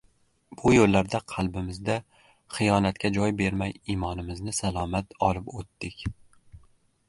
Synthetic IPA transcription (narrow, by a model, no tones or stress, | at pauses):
b̥ʊjolːaɾd̪aqʰɑlˠbɪmɪzd̪a | χɨjɒnat̪kʲʰad͡ʒɒjbe̞ɾmajimɒnɪmɪznɪsalˠɒmat̪ɒlˠɪpot̪ːɪkʲ